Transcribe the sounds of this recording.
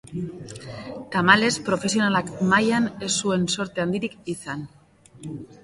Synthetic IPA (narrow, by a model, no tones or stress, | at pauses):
t̪amale̞spɾo̞fe̞sio̞nalakmajane̞sːue̞nso̞ɾt̪e̞and̪iɾikisan